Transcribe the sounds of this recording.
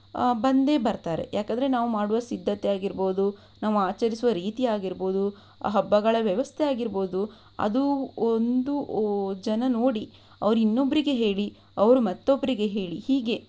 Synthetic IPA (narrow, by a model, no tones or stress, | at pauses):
bɐnd̪e̞ːbɐɾt̪aːɾe̞̰jaːkɐnd̪ɐɾe̞naːʋumaːɽuʋɐsid̪ʱːɐt̪ɛjaːɡiɾbo̞ːd̪u | naːʋuaːt͡ʃɐɾisuʋɐɾiːt̪ijaːɡiɾbo̞ːd̪u | ɦɐbːɐɡɐɭɐʋjɐʋɐst̪ʰejaːɡiɾbo̞ːd̪u | ɐ̰d̪uond̪ud͡ʒɐnɐno̞ːɽi | ɐʋɐɾuinːo̞bːɐɾiɡe̞ɦe̞ːɭi | ɐʋɐɾumɐt̪ːobːɐɾiɡe̞ɦeːɭihiːɡe̞